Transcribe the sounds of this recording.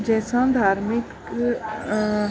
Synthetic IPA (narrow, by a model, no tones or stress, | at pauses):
d͡ʒɛːsãd̪ʱaːɾmɪk